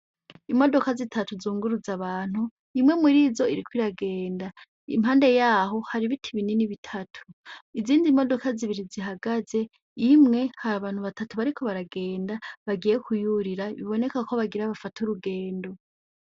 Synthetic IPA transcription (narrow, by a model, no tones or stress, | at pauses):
imo̞do̞kazitʰatuzuːŋɡuɾuzaβaːn̥hu | imŋe̞muɾiːzo̞iɾikwiɾaɡe̞ːnda | ḭmɦaːnde̞jaːɦo̞haɾiβitʰiβininiβitʰatʰu̥iziːndimo̞do̞kaziβiɾiziɦaɡaze̞ | imŋe̞haɾaβaːn̥huβatatuβaɾikʰo̞βaɾaɡe̞ːndaβaɡije̞kujuɾiɾaβiβo̞ne̞kako̞βaɡiɾaβafatʰuɾuɡe̞ːndo̞